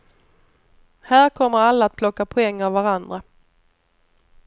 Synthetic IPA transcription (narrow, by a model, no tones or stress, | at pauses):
hæːɾkʰɔmːəɾalːaːt̪̚pʰlɔkːapʰɔɛŋːavvaɾand̪ɾa